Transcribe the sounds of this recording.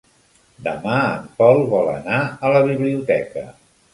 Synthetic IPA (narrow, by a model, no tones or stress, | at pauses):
d̪əmaəmpɔlˠβɔlə̰naələβ̞iβliut̪ɛkə